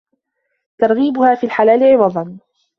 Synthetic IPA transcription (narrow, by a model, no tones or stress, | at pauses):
t̪ɑɾˤɣiːbʊhaːfiːlħalaːlɪʕɪwɑd̪ˤɑn